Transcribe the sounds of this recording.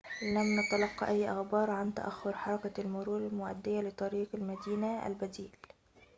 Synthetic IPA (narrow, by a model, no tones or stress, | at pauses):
lamnɑt̪ɑlɑqːɑʔajːʔɑxbɑːɾˤʕant̪a̰ʔaxːʊɾħɑɾˤɑkalmʊɾuːɾɪlmʊʔa̰d̪ːɪjalɪt̪ˤɑɾiːqalmad̪iːnaʔa̰lbæd̪iːl